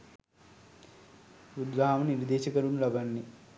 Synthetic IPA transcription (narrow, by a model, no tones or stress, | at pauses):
ɾud̪ɾaːmɐniɾd̪eːʃɐkɐɾunlɐbɐnːi